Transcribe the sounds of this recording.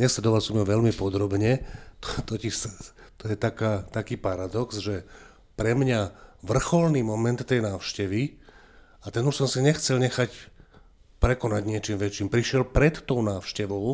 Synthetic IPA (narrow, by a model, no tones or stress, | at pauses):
ɲɛslɛd̪ɔʋalsɔmjɔʋɛʎmipɔd̪ɾɔbɲɛt̪ɔ̥t̪ɔcist̪ɔjɛt̪akaːt̪akiːpaɾad̪ɔksʒɛ | pɾɛmɲaʋr̩xɔlniːmɔmɛnt̪ːɛjnaːʊʃcɛʋi | at̪ɛnuʃsɔmsiɲɛxt͡sɛlɲɛxac | pɾɛkɔnaɟɲɪɛt͡ʃimʋɛt͡ʃiːmpɾiʃɪɛlpɾɛt̪ːɔʊnaːʊʃcɛʋɔʊ